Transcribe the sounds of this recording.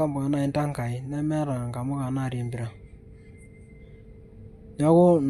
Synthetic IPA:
a˦mbʊ˨a˨na˦˨i˨nta˦ŋka˨ɪ˨nɛ˦mɛ˦ɾa˨ŋɡa˨mʊ˦ka˨na˦˨ɾje˨mbi˨ɾa˨ | ɲɔ˦ɣʊ˦n

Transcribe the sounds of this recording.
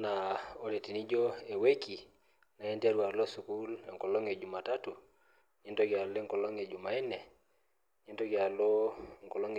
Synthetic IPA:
na˨o˨ɾe˨ti˨ni˦d͡ʒo˦e˨we˦ki˨ | na˨ɛ˦nti˦a˦ɾwa˨ɾlɔ˦su˨ku˦le˨ŋkɔ˨lɔ˦ŋe˨d͡ʒu˨ma˨ta˦tu˨ | ɲe˦nto˦ɡja˨le˦ŋkɔ˨lɔ˦ŋe˨d͡ʒu˨ma˨ɛ˦nɛ˨ | ɲe˦nto˦ɡja˨lo˦ŋkɔ˨lɔ˦ŋ

